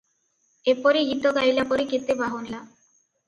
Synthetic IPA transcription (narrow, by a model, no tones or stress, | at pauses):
epɔɾiit̪ːɔɡ̪ajlapɔɾiket̪ːebaɦonla